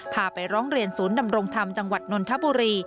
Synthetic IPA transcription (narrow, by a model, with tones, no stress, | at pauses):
pʰaː˧pa˧jɾɔː˦˥ŋɾi˧ənsuː˩˦nda˧mɾo˧ŋt̪ʰa˧mt͡ɕa˧ŋwa˨˩t̪̚no˧nt̪ʰa˦˥buː˧ɾiː˧